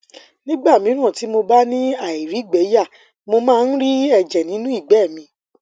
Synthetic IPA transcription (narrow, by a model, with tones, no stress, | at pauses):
nĩ˦ɡ͡ba˦˨mĩ˨˦ɾ̃ã˦˨ti˨˦mo˧ba˦nĩ˦a˨i˨ɾi˨˦ɡ͡bɛ˨˦ja˦˨ | mo˧mãː˦˧n̩˦ɾi˦ɛ˦˨d͡ʒɛ˨nĩ˨˦nũ˦i˦˨ɡ͡bɛ˦˨mĩ˧